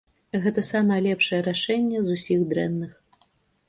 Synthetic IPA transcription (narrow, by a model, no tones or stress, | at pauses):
ɣɛt̪ɐsamɐjɐlʲɛpʂɐjɛɾaʂɛnʲːɛzusʲiɣd̪ɾɛnːɨx